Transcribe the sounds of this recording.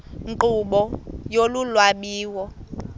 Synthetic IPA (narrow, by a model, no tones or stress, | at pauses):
ŋǃuɓɔjolulwaɓiːwɔ